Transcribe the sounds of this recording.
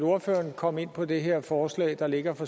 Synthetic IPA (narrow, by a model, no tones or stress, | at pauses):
lo̝ɐfø̰ɐnkʰɒ̽m̰e̝n̰pʰɒ̽d̥e̝ɦe̝ɐ̰fɒːslɛ̰ːɪd̥ɑ̈le̝ɡ̥ɐfɒ̽